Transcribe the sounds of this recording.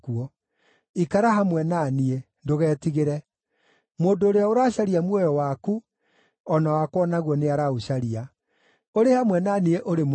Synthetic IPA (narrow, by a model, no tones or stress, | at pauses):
kuɔ | ikaɾaɦamwɛnanie | ndoɣɛːtiɣeɾɛ | moːdoːɾeaoɾaːɕaɾiamwɔjɔwaːku | ɔnawakwɔnaɣwɔneaɾauɕaɾia | oɾehamwɛnanieʔoɾem